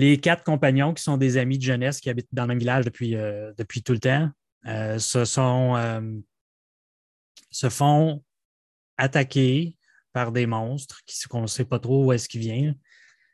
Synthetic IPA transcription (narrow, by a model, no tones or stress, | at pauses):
lekat̪χə̥kɔ̃paɲjɔ̃kʲi̥sɔ̃d̪ezamid̪əʒənɛskʲiabɪt̪̚d̪ɑ̃ləmɛ̃mvilaʒd̪əpʰɥiød̪əpɥit̪ulət̪ã | øsəsɔ̃øm | səfɔ̃ | at̪akʲe | paʁd̪emɔ̃st̪χkʲi̥skɔ̃sɛpʌt̪ʁouɛskʲivjɛ̃